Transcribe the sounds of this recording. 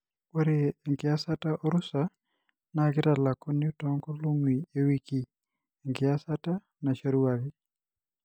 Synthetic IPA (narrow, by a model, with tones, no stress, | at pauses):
e˦ɾe˦ŋɡɪ˨asa˦taʔɔ˦ɾʊsa˨ | naɡɪ˦tala˨kʊ˦nɪotɔ˦ŋkɔ˦lu˦ŋwi˨e˨wi˦ki˦ | e˨ŋɡɪ˨a˦sa˦ta˦ | na˨ʃaɾu˦a˨kɪ˦